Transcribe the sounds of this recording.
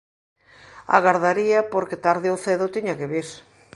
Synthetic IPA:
a̰ɣaɾðaɾiɐpoɾkɪt̪aɾðɪoθeðʊt̪iɲɐkɪβiɾ

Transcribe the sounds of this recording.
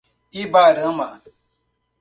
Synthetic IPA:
ibaɾəma

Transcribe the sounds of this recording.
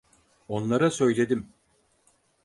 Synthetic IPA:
o̞nlˠaɾasø̞jlʲe̞d̪im

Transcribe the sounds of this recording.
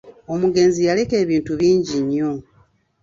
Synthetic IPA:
omuɡe̞nzijaleke̞ːβiːntuβiːɲɟiɲːo̞

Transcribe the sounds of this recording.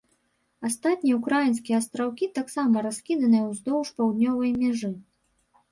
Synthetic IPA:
ast̪at̪̚ʲnʲijɛukɾajinskʲijɛast̪ɾawkʲit̪aksamɐɾaskʲid̪ɐnɨjɐwzd̪ɔwʂpawd̪nʲɔvɐjmʲaʐɨ

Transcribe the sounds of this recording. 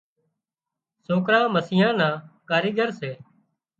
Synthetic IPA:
soːkɾãːməsɪjãːnãːkaːɾiːɡəɾseː

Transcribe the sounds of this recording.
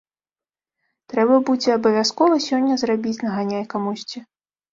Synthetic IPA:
t̪ɾɛbɐbud͡zʲɛɐbɐvʲaskɔvɐsʲɔnʲːɐzrabʲit͡sʲnɐɣanʲajkamusʲt͡sʲi

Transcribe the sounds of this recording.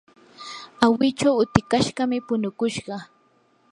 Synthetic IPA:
awɪt͡ʃawʊt̪ɪkaʃɢɑmɪpʊnʊkʊʃɢɑ

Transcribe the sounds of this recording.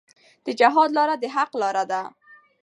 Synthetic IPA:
d̪̥əd͡ʒaɦɑd̪lɑɾad̪əɦaqlɑɾad̪a

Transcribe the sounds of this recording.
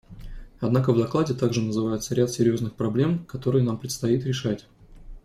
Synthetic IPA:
ɐd̪nakəvd̪ɐklˠadʲɪt̪aɡʐɨnəzɨvajʊt̪səɾʲat̪sʲɪɾʲjo̞znɨxpɾɐblʲe̞mkɐt̪o̞ɾɨjənampɾʲɪt̪st̪ɐit̪̬ɾʲɪʂatʲ

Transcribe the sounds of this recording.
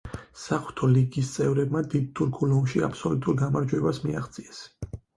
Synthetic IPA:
saχu̥t̪ʰɔliɡist̪sʼɛvɾɛbmad̪id̪̚t̪ʰuɾkʰulɔmʃia̰pʰsɔlut̪ʼuɾɡamaɾd͡ʒwɛbasmiaχt̪sʼiɛs

